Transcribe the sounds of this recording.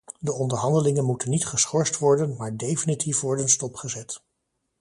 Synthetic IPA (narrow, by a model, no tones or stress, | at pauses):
dəɔndəɹɦɑndəlɪŋənmutənːitχəsχɔɹstʋɔɹdənmaːɹdejfinitʰifʋɔɹdənstɔpχəzɛt